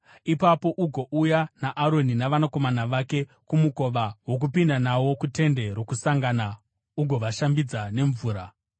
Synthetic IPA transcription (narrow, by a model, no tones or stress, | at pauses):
ipapo̞ʔuɡʱo̞ʔujanaʔːɾo̞ninaʋanako̞manaʋake̞ | kumuko̞ʋawo̞k̬upindanawo̞kute̞nde̞ɾo̞kusaŋɡana | uɡʱo̞ʋaʃambid͡zane̞ɱvuːɾa